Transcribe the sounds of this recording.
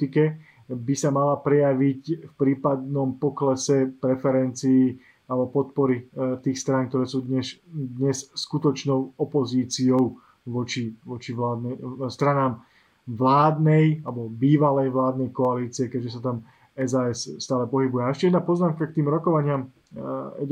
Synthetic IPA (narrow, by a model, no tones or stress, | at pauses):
t̪ikɛ | bisamalapɾɛjaʋicfpɾiːpad̪nɔmpɔklɛsɛpɾɛfɛɾɛnt͡siː | alɛbɔpɔt̪pɔɾit̪iːxst̪ɾaŋk̚t̪ɔɾɛːsuːd̪ɲɛʃd̪ɲɛsskut̪ɔt͡ʃnɔʊɔpɔziːt͡siɔʊ | ʋɔt͡ʃiʋɔt͡ʃiʋlaːd̪nɛst̪ɾanaːm | ʋlaːd̪nɛjalɛbɔbiːʋalɛjʋlaːd̪nɛjkɔaliːt͡siɛkɛɟʒɛs̬at̪am | ɛzaːɛsst̪aːlɛpɔɦibujɛaɛʃcɛjɛd̪napɔznaːmkak̚t̪iːmɾɔkɔʋaɲɪam | jɛ̰